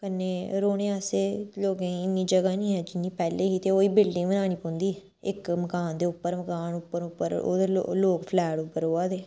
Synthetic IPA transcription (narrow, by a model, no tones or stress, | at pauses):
kənːeːɾoːɽ̃ẽːaːseːloːɡẽːɪnːiːd͡ʒəɡaːnĩːɦɛːd͡ʒɪnːiːpɛːleːɦiːt̪eːoːiːbɪlɖɪ̃ŋɡmənaːɽ̃iːpõːnd̪iː | ɪkməkaːnd̪eːʊpːəɾməkaːnʊpːəɾʊpːəɾo̰ːd̪eːo̰loːkpʰlɛːɽʊpːəɾoːaːd̪eː